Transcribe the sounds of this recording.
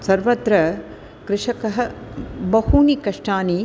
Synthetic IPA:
sɐɾʋɐt̪ɾɐ | kɾɪʂɐkɐɦɐ̆bɐhuːnikɐʂʈaːni

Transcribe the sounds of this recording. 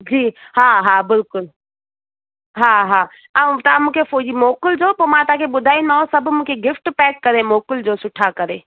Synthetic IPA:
d͡ʑiːɦaːɦaːbɪlkʊl | ɦaːɦaː | ãt̪amũːkʰefoːd͡ʑimoːkəld͡ʒoːpɐmãt̪ãkʰeɓʊd̪ʱaːĩnd̪aɦõsɐbʱmũːkʰeɡɪfʈpɛːkːɐɾemoːkəld͡ʒoːsʊʈʰakɐɾeː

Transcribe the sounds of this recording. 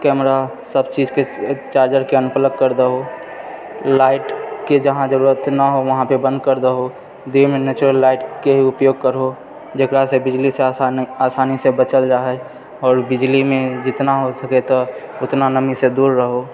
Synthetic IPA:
kɛːmɾa | səbt͡ʃiːd͡ʒket͡ʃaːɾd͡ʒəɾkeənpələɡ̚kəɾd̪əɦo | laːɪʈked͡ʒəɦãd͡ʒəɾuːɾət̪naɦoʋɐɦãpebə̃nd̪̚kəɾd̪əɦo | d̪emenɛːt͡ʃuɾəlːaːɪʈkeɦiʊpjoːɡ̚kəɾɦo | d͡ʒekɾasebɪd͡ʒliseaːsaːnisebət͡ʃəld͡ʒaːɦɛ | ɔːɾbɪd͡ʒlimẽd͡ʒɪt̪naɦosəket̪o | ʊt̪nanəmised̪uːɾːəɦo

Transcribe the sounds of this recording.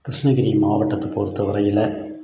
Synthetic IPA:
k̪ɪʂnɐɣɪɾimaːʋɐʈːɐt̪ːɐpɔɾɯt̪ːɐʋɐɾɐjɪlɐ

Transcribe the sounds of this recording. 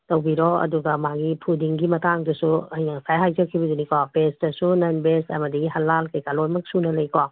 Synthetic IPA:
tɐwbiɾɔɐ̰duɡɐmaɡipʰudiŋɡimɐtaŋdɐsuɐjaŋsajɦajd͡ʒɐkʰːibɐdunikapestɐsunɐnbesɐ̰mɐdiɡiɦɐlːalkɐjkalojmɐk̚sunɐlɐjka

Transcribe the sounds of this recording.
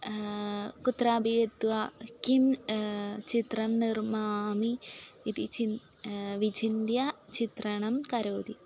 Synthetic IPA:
kut̪raːbijet̪ːʋɐkim | t͡ɕit̪rɐmnirmaːmiit̪it͡ɕin | ʋid͡ʑind̪jɐt͡ɕit̪rɐɳɐmkɐɾoːd̪i

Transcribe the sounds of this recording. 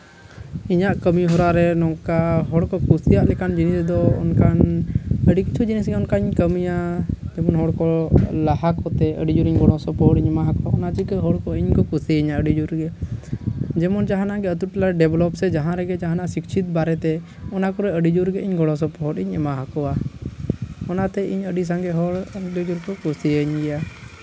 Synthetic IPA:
iɲaʔkəmiɦɔɾaɾɛnɔkaɦɔɽkɔkusijaʔlɛkand͡ʒinisd̪ɔɔ̰nkanəɖikit͡ʃʰud͡ʒinisɡɛɔnkaiɲkəmijad͡ʒɛmɔnɦɔɽkɔlaɦakɔt̪ɛə̰ɖid͡ʒuɾiɲɡɔɽ̃ɔsɔpɔɦɔʈiɲɛmaɦakɔwaɔnat͡ʃikəɦɔɽkɔiɲkɔkusɛiɲaʔəɖid͡ʒuɾɡɛ | d͡ʒɛmɔnd͡ʒaɦãnaɡɛət̪uʈlaɖɛblɔpsɛd͡ʒaɦãɾɛɡɛd͡ʒaɦanasikt͡ʃʰit̪̚baɾɛt̪ɛ | ɔnakɔɾɛəɖid͡ʒuɾɡɛiɲɡɔɽɔs̬ɔpɔɦɔʈiɲɛmaɦakɔwa | ɔnat̪ɛiɲəɖis̬aŋɡɛɦɔɽd͡ʒɔd͡ʒuɾkɔkusiəɲɡɛja

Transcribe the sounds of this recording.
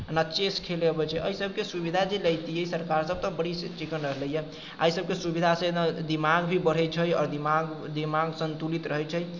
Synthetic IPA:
nat͡ʃeskʰelebət͡ʃʰɛʔəisəbʱkesubid̪ʱad͡ʒeləjt̪iɦəisəɾkaɾsəb̚ʱt̪ɔbəɽit͡ʃikənɾəɦləjɛ | əisəb̚kesubid̪ʱasẽd̪d̪imaɡbʱibəɽ̤ɛt͡ʃʰəjɔːɾd̪imaɡ | d̪imaɡsənt̪ulit̪ɾəɦɛt͡ʃʰəj

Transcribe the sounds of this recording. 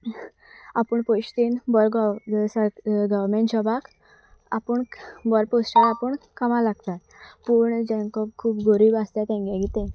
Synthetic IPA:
apəɳpoɕʈ̪inbɔɾɡsəɡəʋɾmẽɳʈɕɔbak | apəɳbɔɾposʈaɾapəɳkəmalaɡt̪at̪ | puːɳd͡ʑɛ̃ŋkɔkʰuːpɡoɾiːbast̪jat̪ɛ̃ŋɡɛ̃ɡit̪ẽ

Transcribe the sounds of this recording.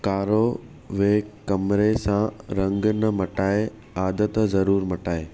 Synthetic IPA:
kaːɾo | ʋeːkɐmɾesãɾɐ̃ŋɡnɐmɐʈaːe | aːd̪ət̪zɐɾuːɾmɐʈaːeː

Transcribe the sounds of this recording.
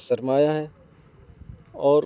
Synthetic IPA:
sɐɾmaːjaɦɛ | ɔːɾ

